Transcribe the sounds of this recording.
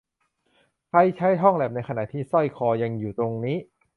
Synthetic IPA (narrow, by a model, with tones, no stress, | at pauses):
kʰa˧jt͡ɕʰa˦˥jɦɔ˥˩ŋlɛ˨˩p̚na˧jkʰa˧na̰˨˩t̪ʰiː˥˩sɔ˥˩jkʰɔː˧ja˧ŋjuː˨˩t̪ɾo˧ŋniː˦˥